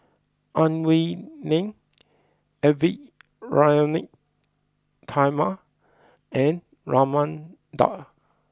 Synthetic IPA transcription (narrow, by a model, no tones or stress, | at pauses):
ãnwinɪ̃ŋ | ɛvi | ɹajonɪk̚ | tʰajma | ɛ̃n | ɹɔmə̃n | dɔ̰t